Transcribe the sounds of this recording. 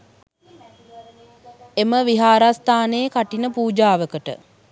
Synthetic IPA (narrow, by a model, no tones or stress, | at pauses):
eməʋiɦaːɾast̪aːnəːkaʈinəpuːd͡ʒaːʋəkəʈə̰